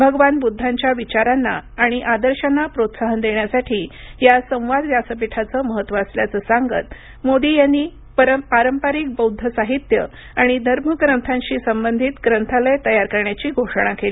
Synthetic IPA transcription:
bʱəɡʋanbud̪ʱːaɲt͡ɕjaʋit͡ɕaɾanːa̰ːɽ̃iʔad̪əɾɕanːapɾot̪saɦənd̪eɳjasaʈʰiːjasə̃w̃ʋad̪ʋjasəpiʈʰat͡səːməɦət̪ːʋəəsljat͡səːsaŋɡət̪ | mod̪iːjanːiː | pəɾpaɾəmpaɾiːk̚bəwd̪ʱːəsaɦit̪jə | aɽ̃id̪ʱəɾməɡɾənt̪ʰãɲɕiːsəmbənd̪ʱit̪ɡɾənt̪ʰaləjt̪əjaɾkəɾɳjat͡ɕiːɡʱoʂəɳ̃akeli

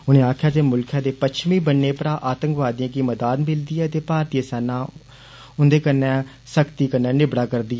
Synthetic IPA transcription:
ʊnẽːaːkʰjaːd̪eːmʊlkʰãːd̪eːpət͡ʃʰmĩːbənːeːpəɾãːʔaːt̪ə̃ŋkʋaːd̪iãːkiːməd̪aːd̪mɪld̪iːɛːət̪eːpaːɾt̪ieːsɛːnãː | ʊnd̪eːkənːɛ̃ː | səkt̪iːkənːɛ̃ːnɪbɽaːkəɾd̪iːɛː

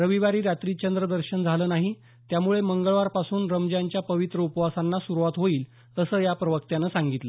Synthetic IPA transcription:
ɾəʋiʋaɾiːɾat̪ɾiːt͡ɕənd̪ɾəd̪əɾɕənd͡zʱaləːnaɦi | t̪jamuɭeməŋɡəɭʋaɾpasuːnɾəmd͡ʑjaɲt͡ɕjapəʋit̪ɾəupəʋasanːasuɾuʋat̪ɦoiːl | əsəːjapɾəʋək̚t̪janəsaŋɡit̪lə

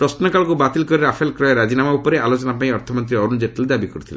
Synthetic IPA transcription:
pɾɔsnɔkaɭɔkubat̪ilkɔɾiɾapʰelkɾɔjɔɾad͡ʒinamaupɔɾealot͡ʃɔnapaĩɔɾt̪ʰɔmɔnt̪̬ɾiɔɾund͡ʒeʈeled̪abikɔɾut̪ʰile

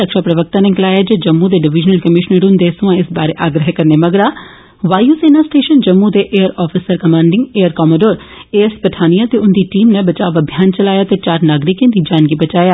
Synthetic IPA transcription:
əkʃaːpɾəʋək̚t̪ãːnẽkɪlaːjaːd͡ʒeːd͡ʒəmːud̪eːɖɪʋɪd͡ʒnəlkəmɪʃnəɾʊnd̪eːsʊ̃ãːɪsbaːɾeːʔaːɡɾəɦekəɾneːməɡɾaː | ʋaːjuːseːnaːsʈeːʃənd͡ʒəmːud̪eːʔeːəɾɔːfʰisəɾkəmãːɳɖɪŋɡeːəɾkɔːmoɖoːɾeːspəʈʰaːnijãːt̪eːʊnd̪iːʈiːmnẽːbət͡ʃaːʋəbʱjaːnt͡ʃəlaːjaːt̪eːt͡ʃaːɾnaːɡɾɪkẽːd̪iːd͡ʒaːnɡibət͡ʃaːjaː

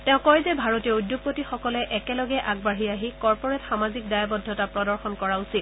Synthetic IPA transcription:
tɛ̃ʊ̃kɔjzɛbʱaɹɔtiɔujdjoɡ̚potixɔkɔlɛʔɛkɛlɔɡɛʔaɡ̚baɦiaɦikɔɹpɔɹɛtxamazik̚dajabɔdʱːɔtapɹɔdɔɹxɔnkɔɹausit̚

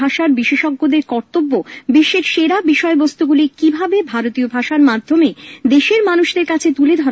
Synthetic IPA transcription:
aʃaɾbiʃeʃɔɡːod̪eɾkɔɾt̪obːobiʃːeɾʃeɾabiʃɔebɔst̪uɡulikibʱabebʱaɾot̪iobʱaʃaɾmad̪ʱːomed̪eʃeɾmanuʃd̪eɾkat͡ɕʰet̪uled̪ʱɔɾ

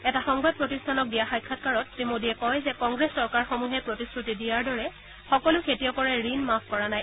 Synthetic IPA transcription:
ɛtaxɔŋbad̚pɹotistʰanɔk̚dijaxajkʰːatkaɹɔtːemodiɛkɔjzɛkɔŋɡɹesːɔɹkaɹxomuɦɛpɹotiskɹutidijaɹdɔɹɛ | xɔkɔlʊkʰetijɔkɔɹɛɹinmapkɔɹanaj

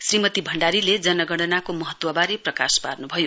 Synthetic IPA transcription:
srimʌt̪ibʱʌɳɖaɾiled͡zʌnʌɡʌɽɖʌnakomʌɦʌt̪wʌbaɾeprʌkasparnubʱʌjo

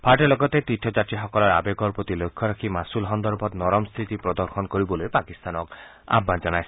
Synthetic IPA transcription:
pʰaɾʈelɔɡɔt̪et̪it̪ʰɔd͡ʒat̪ɾiɦɔkɔlɔɾa̰beɡɔɾpɾot̪ilojkʰːɔɾakʰimasulɦɔnd̪ɔɾbʱɔt̪nɔɾɔmst̪ʰɾit̪ipɾɔd̪ɔɾxɔnkɔɾibɔlojpakist̪anɔk | a̰bʱand͡ʒɔnajsi̥

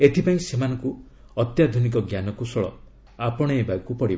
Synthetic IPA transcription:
et̪ʰipaĩsemanɔŋku | ɔt̪jad̪ʱunik̬ɔɡjanɔkusɔɭɔ̰ | apɔɽ̃ɔebajkupɔɽib

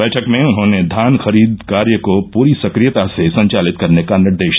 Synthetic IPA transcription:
ɛːʈʰəkmẽʊnɦõːned̪ʱaːnxɐɾiːd̪kaːɾjəkopuːɾisɐkɾijət̪asesɐ̃ɲt͡ʃaːlɪt̪̚kɐɾnekanɪɾd̪eːʃ

